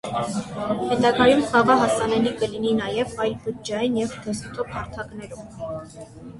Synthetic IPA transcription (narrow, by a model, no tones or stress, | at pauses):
hɛt̪ɑɡɑjumχɑʁɑɦɑsɑnɛlikəlininɑjɛvɑjlbəd͡ʒɑjinjɛvd̪ʰɛsut̪ʰɔphɑɾt̪ʰɑknɛɾum